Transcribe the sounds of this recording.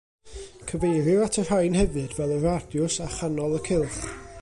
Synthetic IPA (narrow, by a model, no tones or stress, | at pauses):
kʰəvejɾɨatʰər̥hajnhɛvɨdvɛlˠəradjʊsaχanɔlˠəkʰɪlˠχ